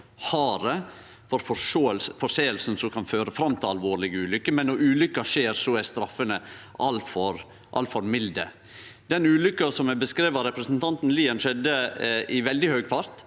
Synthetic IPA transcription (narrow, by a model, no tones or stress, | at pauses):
hɑːɾə | fɔɾfɔʂoːəlsfɔʂeːəlsn̩sɔkʰɑnføːɾəfɾɑmːt̪ʰɪlɑlʋoːɾɭɪɡəʉːlʏkːəmɛnːɔɾʉːlʏkːɑʂeːɾsɔæst̪ɾɑfːənəʔɑlfɔɾ | ʔɑ̰lfɔɾmɪld̪ə | d̪̥ɛnʉːlʏkːɑsɔmɛbəskɾeːʋəɾɛpɾəsnt̪ʰɑnt̪n̩liːənʂɛd̪ːəʔɪʋɛld̪ɪhœʏɡfɑɾt̪